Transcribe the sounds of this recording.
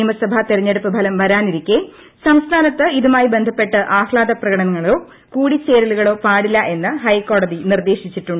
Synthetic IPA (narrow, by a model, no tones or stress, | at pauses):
mɐsɐbʱɐt̪iɾɐɲːe̞ɽupːɨbʱɐlɐmʋɐɾaːniɾikʲːe | sɐmst̪ʰaːnɐt̪ːɨiðumaːjibe̞nd̪ʱɐpːe̞ʈːɨʔaːhɭaːd̪ɐprɐɣɐɽɐnɐŋːɐɭoː | kuːɽit͡ɕeːɾɐluɣɐɭo̞ːpaːɽilːɐʔe̞nːɨɦɐjkːo̞ːɽɐðinird̪e̞ːʂit͡ɕːiʈːuɳɖ